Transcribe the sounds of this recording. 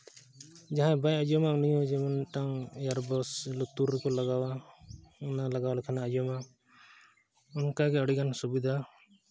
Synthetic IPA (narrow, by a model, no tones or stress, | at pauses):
d͡ʒaɦãbajad͡ʒɔmaunijɔd͡ʒɛmanʈaŋjaɾbɔslut̪uɾɛkɔlaɡawa | ɔnalaɡawalɛkʰanaːd͡ʒɔma | ɔnkaɡɛɔɽikansubid̪ʱa